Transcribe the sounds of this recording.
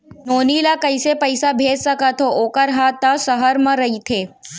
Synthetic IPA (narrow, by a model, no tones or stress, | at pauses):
noːnilakəɪsepəɪsabʱeːd͡ʒsəkat̪ʰoʔoːkəɾɦat̪asəɦəɾmə̃ɾɐɦit̪ʰeː